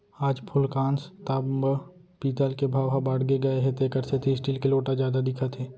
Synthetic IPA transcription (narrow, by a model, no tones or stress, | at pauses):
aːd͡ʒpʰʊlkaːnst̪ab | piːt̪aːlkebʱaːʋɦabaːɽɡeɡɐeɦɛ̃t̪ekɐɾset̪ʰeɪsʈiːlkeloːʈazjaːd̪ad̪ɪkʰat̪ʰeː